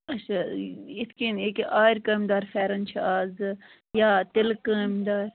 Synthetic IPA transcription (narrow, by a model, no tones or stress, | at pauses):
ɐt͡ʃʰaɪt̪ʰkineːkʔaːiɾkəːmʲd̪aːɾfɛːɾɐnt͡ʃʰiaːz | jaːt̪ɪlkəːmd̪aːɾ